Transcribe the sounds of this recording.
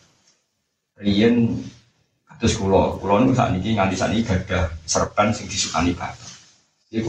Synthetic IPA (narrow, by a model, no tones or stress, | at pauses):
rijən | kad̥̪ʊskulɔkulɔnusa̰ʔnikiŋandisa̰ʔnikiɡ̥a̤d̥a̤hsəɾəkansɪŋd̪̥i̤suka̰nib̥at̪